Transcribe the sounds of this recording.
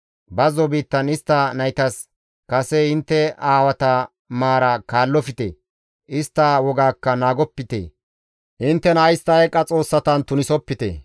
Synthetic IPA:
bɐzɔbiːt̪ːɐnɪst̪ːɐnɐjt̪ɐs | kɐsɛɪnt̪ːɛaːwɐt̪ɐ | maːɾɐkaːlːɔfɪt̪ḛ | ʔɪst̪ːɐwɔɡaːkːɐnaːɡɔpːɪt̪ḛː | ʔɪnt̪ːɛnɐjst̪ɐɛkʼːɐt͡sʼo̞ːsːɐt̪ɐnt̪ʊnɪsɔpːɪt̪ḛ

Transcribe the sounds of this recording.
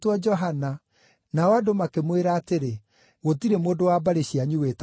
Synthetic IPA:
twad͡ʒɔɦana | naɔadomakemweɾaːteɾe | ɣotiɾemoːndowabaɾeɕiaɲuwet

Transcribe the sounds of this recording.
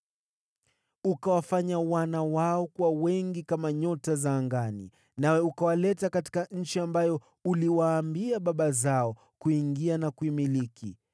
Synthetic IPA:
ukawafaɲawanawaɔkuwawɛŋɡikamaɲɔtazaːŋɡanḭ | nawɛukawalɛtakati̥kaɲ̩t͡ʃiambajɔ | uliwaːmbiaɓaɓazaɔ | kuiŋɡianakuimiliki

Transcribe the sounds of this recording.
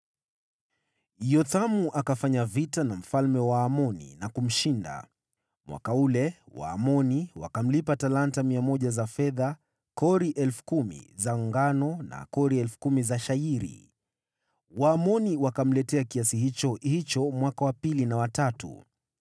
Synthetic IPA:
jɔθamuʔakafaɲavitanam̩falmɛwaːmɔnḭnakum̩ʃinda̰ | mwa̰kaulɛwa̰ːmɔniwa̰kam̩lipatalantamiamɔʄazafɛða | kɔɾiʔɛlfu̥kumḭzaŋɡanɔna̰kɔɾiɛlfu̥kumizaʃaiɾḭ | waːmɔniwakam̩lɛtɛakiasiɦit͡ʃɔhit͡ʃɔmwakawapilinawatatṵ

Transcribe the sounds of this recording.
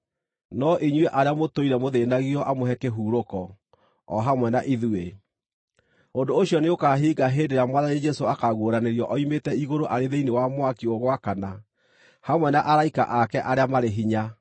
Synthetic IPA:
nɔʔiɲwɛʔaɾeamotoiɾɛmoðenaɣiɔʔamoɦɛkeɦuːɾokɔ | ɔ̰ɦamwɛnaʔiðue | ondoːɕjɔneokaɦiːɡaɦeːdeɾamwaðanid͡ʒɛsoakaɣwoɾaneɾjɔʔɔimetɛiɣoɾoʔaɾeðeinewamwakioɣwakana | hamwɛnaʔaɾaika̰ʔakɛʔaɾeamaɾeɦiɲa

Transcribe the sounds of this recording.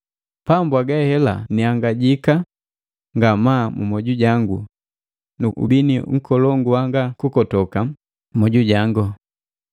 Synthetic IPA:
pambwaɡɛhɛla̰niaŋɡaɟika | ŋɡamamṵmɔɟuɟaŋɡṵ | nuṵbiniŋ̩kʰɔlɔŋɡuwaŋɡakukɔtɔka | mɔɟuɟaŋɡɔ

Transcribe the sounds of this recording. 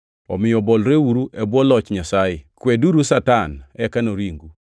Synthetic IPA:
ɔ̰mɪjɔbɔlɾewuɾuʔɛbwɔlɔt͡ʃɲasajɪkwɛduɾusatanɛkanoɾiŋɡu

